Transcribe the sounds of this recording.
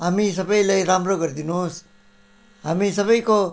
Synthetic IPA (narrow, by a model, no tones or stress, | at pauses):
ɦamis̬ʌbʌjlajɾamɾoɡʌɾd̪inus | ɦamisʌbʌjko